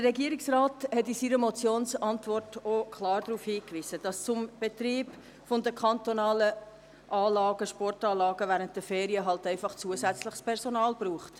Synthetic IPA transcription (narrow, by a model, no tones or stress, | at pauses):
d̥əɾɛɡiːəɾiksrɑːthɛtisiːɾəmɔt͡sjoːnsɑntvɔrtokʰlɑːɾdɾuːfhiːkvʋiːsəd̥ɑst͡sʊmb̥etɾiːb | fɔndəkʰɑntonɑːlə | ʔɑːlɑːɡəʃpɔrtɑːlɑːɡəvæːɾənt̚d̥əfeːɾiəɦɑltæɪfɑχt͡suəsæt͡slɪχspʰɛɾsonɑːlb̥ɾuːχt